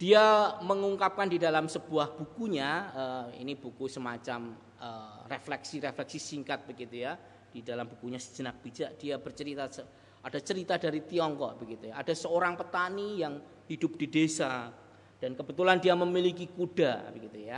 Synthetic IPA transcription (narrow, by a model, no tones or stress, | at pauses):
d̥iaməŋuŋkap̚kandidalamsəb̥uahb̥ukuɲaəḭnibukusəmat͡ʃam | əreflɛksiɾeflɛksisiŋkat̪̚b̥əɡit̪uja | d̥idalambukuɲasə̥d͡ʒənak̚b̥id͡ʒaʔd̥iabərt͡ʃəɾit̪asə | adat͡ʃəɾit̪adaɾit̪iɔŋkɔʔb̥əɡit̪ujaad̥asəoɾaŋpət̪anijaŋ | hidʊp̚d̥idesa | d̥ankəbət̪ulandiaməmilikikud̥abəɡit̪uja